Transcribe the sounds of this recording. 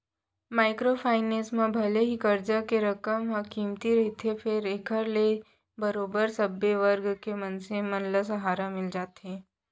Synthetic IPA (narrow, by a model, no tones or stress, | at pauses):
maːɪkɾopʰaːɪneːsmãbʱɐleɦikəɾd͡ʒakeɾɐkəmɦəkiːmt̪iɾɐɦet̪ʰepʰɪɾeːkʰəɾle | bəɾoːbəɾsɐbeʋəɾɡkemɐnsẽmɐnləs̬ɐɦaːɾamɪld͡ʒaːt̪ẽː